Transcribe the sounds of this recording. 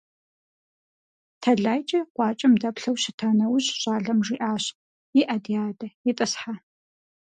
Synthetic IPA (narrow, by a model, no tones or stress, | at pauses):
tʰɐɮaːjt͡ʃʼɐqʷɑːt͡ʃʼɐmdɐpɬɐwʃɪtʰaːnɐwɕɕʼaːɮɐmʐiːʔaːɕ | jɪʔɐdijaːdɐjiɪtʼɨsħa